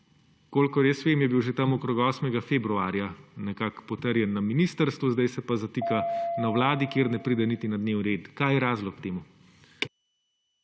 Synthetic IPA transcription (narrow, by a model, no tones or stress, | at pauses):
koːlkɔɾesʋeːmjɛbiwʒet̪ɐmɔkɾoːɡɔːsmɛɡafeːbɾuaːɾjanɛkakpɔt̪əɾjɛnːɐminist̪əɾst̪ʋuzd̪ɐjsɛpazat̪ikanawlaːd̪ikeːɾnɛpɾiːd̪ɛnit̪inɐd̪neːwniɾeːt̪kaːjɛɾaːzlɔkkt̪eːmu